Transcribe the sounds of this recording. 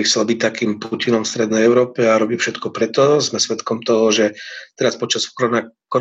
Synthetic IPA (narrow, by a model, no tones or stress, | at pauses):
ixt͡sɛlbic̚t̪akiːmpucinɔmfst̪ɾɛd̪nɛjɛʊɾɔːpɛaɾɔbiːfʃɛt̪kɔpɾɛt̪ɔzmɛsʋɛt̪kɔmt̪ɔɦɔʒɛt̪ɛɾaspɔt͡ʃaskɾɔnakɔ